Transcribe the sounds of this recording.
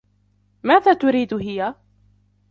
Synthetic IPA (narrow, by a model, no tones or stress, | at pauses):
maːðaːt̪ʊɾiːd̪ɦɪja